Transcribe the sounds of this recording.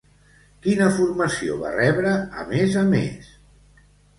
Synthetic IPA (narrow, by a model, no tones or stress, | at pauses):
kinəfurməsio̰βa̰rɛβɾəə̰mezəmḛs